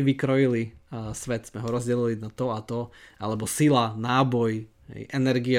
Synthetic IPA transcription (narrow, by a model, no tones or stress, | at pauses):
ʋikɾɔjilisʋɛt̪z̥mɛɦɔɾɔzɟɛlilinat̪ɔat̪ɔʔalɛbɔsilanaːbɔj | ɦɛ̰jʔɛnɛɾɡiɛ